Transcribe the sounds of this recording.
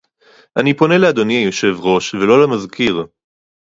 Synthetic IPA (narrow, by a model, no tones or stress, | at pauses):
ʔanipo̞ne̞lead̪o̞niajo̞ʃe̞vʁo̞ʃvelo̞lamazkiʁ